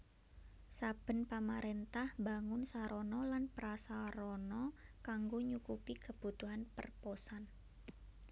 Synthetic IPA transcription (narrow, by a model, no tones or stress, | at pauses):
sab̥ə̤npamaɾent̪ahbaŋʊnsaɾonɔlanpəɾasaɾɔnɔkaŋɡoɲukupikəb̥ut̪uɦanpə̰rposan